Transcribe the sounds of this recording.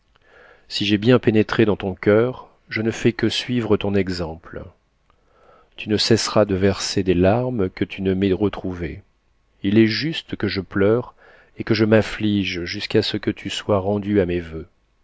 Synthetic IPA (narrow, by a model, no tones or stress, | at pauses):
siʒɛbjɛ̃penet̪χed̪ɑ̃t̪ɔ̃kʲœʁ | ʒənəfɛkəsɥivʁət̪ɔ̃nɛɡzɑ̃pl | t̪ʰynəsɛsʁad̪əvɛʁsed̪ɛlaʁmkət̪ʰynəmɛʁət̪χuve | ilɛʒyst̪kəʒəplœʁ | ekəʒəmafliʒʒyskasəkət̪ʰyswaʁɑ̃d̪yamevø